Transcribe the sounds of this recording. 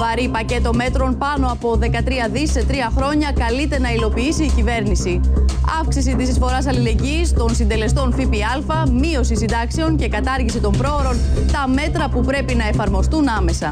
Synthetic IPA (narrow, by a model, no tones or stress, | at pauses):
vɐɾipɐce̞t̪o̞me̞t̪ɾo̞npɐno̞ɐpo̞ðe̞kɐt̪ɾiɐðisːe̞t̪ɾiɐxɾo̞ɲɐkɐlit̪e̞nɐilo̞piisiːcive̞ɾnisiɐfksis̬it̪isisfo̞ɾɐs̬ɐlile̞ɲɟist̪o̞nsind̪e̞le̞st̪o̞nfipiɐlfɐmio̞sisind̪ɐkse̞once̞kɐt̪ɐɾʝisit̪o̞mpɾo̞oɾo̞nt̪ɐme̞t̪ɾɐpupɾe̞pinɐe̞fɐɾmo̞st̪unɐme̞sɐ